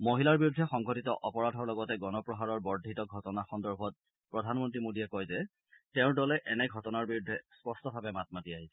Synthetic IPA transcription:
moɦilaɹbiɹudʱːɛxɔŋɡɔtitɔʔɔpɔɹadʱɔɹlɔɡɔtɛɡɔnɔpɹɔɦaɹɔɹbɔɹdʱːitɔɡʱɔtɔnaxɔndɔɹbʱɔt̚ | pɹɔdʱanmɔntɹimodiɛkɔjzɛ | tɛʊ̃ɹdɔlɛʔɛnɛɡʱɔtɔnaɹbiɹudʱːɛspɔstɔbʱabɛmat̚matiaɦisɛ

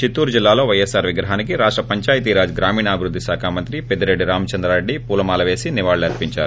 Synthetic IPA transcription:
t͡ʃit̪ːuːɾd͡ʒilːaːlo̞ːʋɐjesaːɾʋiɡɾɐɦaːnikiɾaːʂʈɾɐpɐɲt͡ʃaːjit̪iɾaːd͡ʒɡɾaːmiːɳɐːbʱiɾud̪ːiʃaːkʰaːmɐnt̪ɾiped̪iɾeɖːiɾaːmɐt͡ʃɐnd̪ɾaːɾeɖːipuːlɐmaːlɐʋe̞ːsiniʋaːɭɐɾpiɲt͡ʃa̰ːɾu

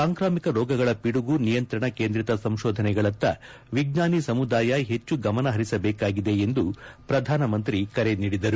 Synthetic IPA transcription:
saːŋkɾaːmikɐɾɔːɡɐɡɐɭɐpiɽuɡunijɐnt̪ɾɐɳɐkeːnd̪ɾit̪ɐsɐmʃɔːd̪ʱɐnɛɡɐɭɐt̪ːɐ | ʋiɡ̚naːnisɐmud̪aːjɐɦe̞t͡ʃːuɡɐmɐnɐɦɐɾisɐbɛːkaːɡid̪e̞end̪upɾɐd̪ʱaːnɐmɐnt̪ɾikɐɾe̞niːɽid̪ɐɾu

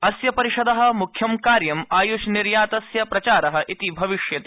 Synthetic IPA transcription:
ɐsjɐpɐɾiʂɐd̪ɐɦɐ̆mukʰjɐmkaːɾjɐmaːjuʃniɾjaːt̪ɐsjɐpɾɐt͡ʃaːɾɐɦɐ̆ʔit̪ibʱɐʋiʂjɐt̪

